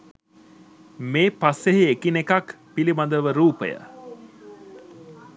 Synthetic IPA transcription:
meːpasːeɦiekinekak | piliband̪əʋəɾuːpə̰jə̰

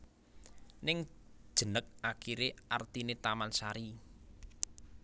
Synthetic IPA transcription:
nɪŋd̥ʒ̥ə̤nək̚akiɾeart̪inet̪amansaɾi

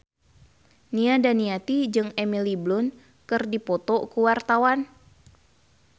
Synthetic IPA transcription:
niadaniat̪id͡ʒɨŋɛmiliblʊn | kɨrdipɔt̪ɔkuwart̪awan

